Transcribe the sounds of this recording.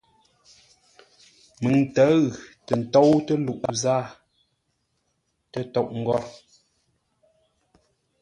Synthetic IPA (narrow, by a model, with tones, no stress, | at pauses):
mɨ˨ŋtə˨˦ɣtə˨n̩˨tɔ˦wtə˦lu˨ʔzaː˦˨ | tə˦tɔ˦˨ʔŋ̩˨ɡɔ˦ɾ